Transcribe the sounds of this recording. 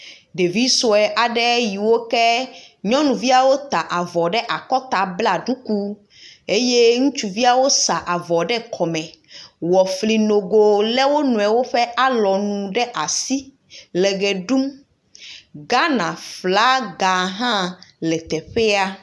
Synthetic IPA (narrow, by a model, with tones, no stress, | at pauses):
ɖe˨vi˦so˨ɛ˨ʔa˨ɖɛ˦ji˨wo˦kɛ˦ɲɔ̃˦nũ˨vi˦a˨wo˦t̪a˨ʔa˨vɔ˨ɖɛ˦ʔa˨kɔ˦t̪a˨bla˨ɖu˦ku˦ | e˦je˦ŋũ˦t͡ʃu˨vi˦a˨wo˦sa˨ʔa˨vɔ˨ɖɛ˦kʰɔ˨mɛ̃˨wɔ˨fli˨no˨ɡo˨lɛ˦wo˦nũ˨ɛ˨wo˦ɸɛ˦ʔa˦lɔ˨nũ˨ɖɛ˦ʔa˨si˦ | lɛ˨ɡɛ˨ɖu˦m | ɡa˦nã˨fla˦ɡa˨ɦã˦lɛ˨t̪ɛ˨ɸɛ˦a˦